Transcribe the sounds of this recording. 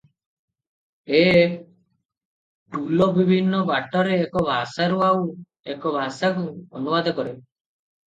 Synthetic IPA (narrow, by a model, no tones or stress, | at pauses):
e | ʈulɔbibʱinːɔbaʈɔɾeːkɔbʱasaɾuaw | ekɔbʱasakuɔnubad̪ɔkɔɾe